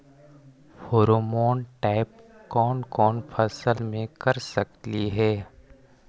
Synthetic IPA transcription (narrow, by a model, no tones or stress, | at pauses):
foːɾomɔːnʈaːɪp̚kɔːnkɔːnpʰɐsəlmẽkɐɾsɐkliɦɛː